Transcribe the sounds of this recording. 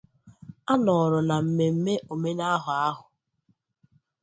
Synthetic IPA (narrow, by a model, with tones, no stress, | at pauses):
a˦nɔ˨ɾʊ˨na˨m̩˨me˨m̩˦me˦ʔo˨me˦na˦ɦʊ˨a˦ɦʊ˨